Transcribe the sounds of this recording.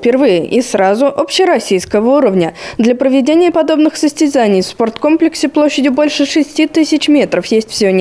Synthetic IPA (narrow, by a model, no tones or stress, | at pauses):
fʲpʲɪrvɨjɪʔisɾazʊʔo̞pɕːɪɾɐsʲijskəvəuɾəvnʲəd̪lʲəpɾəvʲɪdʲenʲɪjəpɐd̪o̞bnɨxsəsʲtʲɪzanʲɪjfspo̞rt̪ko̞mplʲɪksʲɪplˠo̞ɕːɪdʲɪbo̞lʲʂɨʂɨsʲtʲit̪ɨsʲɪt͡ɕmʲe̞t̪ɾəfjesʲtʲfsʲɪonʲ